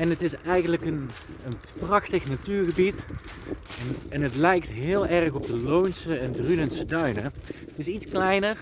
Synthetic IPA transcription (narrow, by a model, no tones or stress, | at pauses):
ɛnətɪsɛjɣənləkən | ən | prɑxtəxnatyːɹɣəbit | ɛnɛnətlɛjk̚tɦɪːlˠɛrxɔb̚dəlownsəɛndrynənsədœɥnəətɪsitsklɛjnər